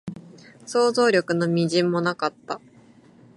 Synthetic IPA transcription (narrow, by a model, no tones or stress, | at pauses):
so̞ːzo̞ːɾʲo̞kɯ̟no̞mʲiʑĩmːo̞nakat̪ːa